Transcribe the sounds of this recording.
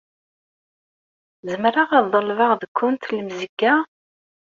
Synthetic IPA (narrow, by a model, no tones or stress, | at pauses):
zəmɾaʁɑðˤəlvɑʁðəkʰʷːʊnt̪ləmzəɡːa